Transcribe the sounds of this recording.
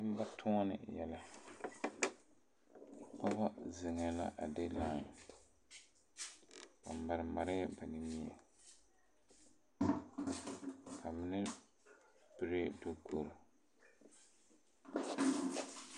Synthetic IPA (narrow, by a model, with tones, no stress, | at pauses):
nɨ˦m˦ba˦tʰʊ˦nɪ̰˨jɛ˦la˦˨ | ka˦ba˦zɪ˨ŋɛ˨la˦ʔa˨de˦laː˦ŋ˨ | ka˨mː˨a˨ɾɪ˨ma˨ɾɪ˦ba˨ni˨mi˦a̰˨ | kʰa˨mɪ˦nɪ˦ | bɪ˨ɾe˦do˦kʰo˨ɾʊ˨